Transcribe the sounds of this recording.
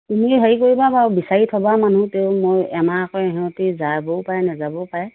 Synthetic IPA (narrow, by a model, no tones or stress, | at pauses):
tumiɦaɹikoɹibabaɹbisaɹitʰɔbamanuteʊmojɛmaakɔɛɦɛɔtizabɔpajɛnɛzabɔpaɹɛ